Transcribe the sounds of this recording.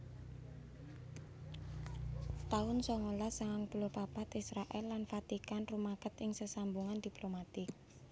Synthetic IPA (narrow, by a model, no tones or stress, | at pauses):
t̪aʊnsɔŋolasaŋaŋpulopapat̪isɾaʔɛlːanfat̪ikanrumakət̪ɪŋsəsambuŋand̪̥iplomat̪ɪk̚